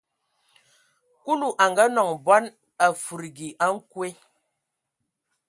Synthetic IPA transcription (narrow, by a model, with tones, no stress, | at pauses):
ku˦lu˨ʔa˨ŋɡa˦nɔ˨ŋbɔ˦n | a˨fu˨ɾɡi˨ʔa˦ŋ̩˦kwe˦